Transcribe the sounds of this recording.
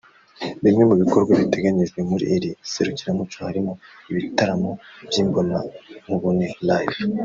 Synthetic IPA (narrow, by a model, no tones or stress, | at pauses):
bimŋe̞muβiko̞ɾɡwaβite̞ɡaɲiʒwe̞muɾḭʔːɾise̞ɾuciɾamut͡ʃohaɾimoiβitaɾamo̞bjiːŋɡo̞mamuβunelajv